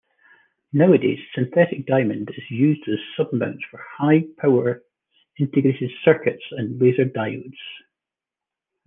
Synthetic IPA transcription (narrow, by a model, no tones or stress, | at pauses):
naʊədḛz̥sɪ̃nθɛʔɪk̚d̥aɪmə̃ndɪzjʉːzdəz̥sʌbəmãʊ̃ntsfə˞haɪpʰaʊə˞ | ɪ̃ntʰɪɡɹɪtɪd̥sɜ˞kʰətsə̃nlˠezə˞daɪwədz̥